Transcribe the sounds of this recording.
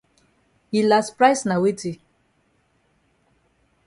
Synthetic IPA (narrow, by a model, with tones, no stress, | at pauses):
i˨la˨spɾa˦jsna˨we˦ti˨